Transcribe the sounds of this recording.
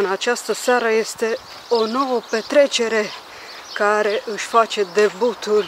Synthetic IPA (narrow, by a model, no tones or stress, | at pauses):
nat͡ʃast̪əsaɾəjest̪e | onoopet̪ɾet͡ʃeɾe | kaɾeʔɨʃʲfat͡ʃed̪ebut̪ul